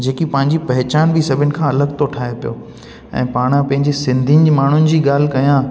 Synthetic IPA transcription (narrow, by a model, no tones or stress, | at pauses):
d͡ʑeːkipɐ̃ɦɪ̃ɲd͡ʑipɐɦɪt͡ɕaːnbɪsɐbʱɪnɪ̆kʰãːɐləɡt̪ʰoʈʰaːɦepijo̰ː | ɛ̰̃ːpaːɽ̃ãpɐ̃ɦɪ̃ɲd͡ʑisɪ̃nd̪ʱinmaːɳ̤ʊnɪ̆d͡ʑiːɡaːl̤ɪkɐjã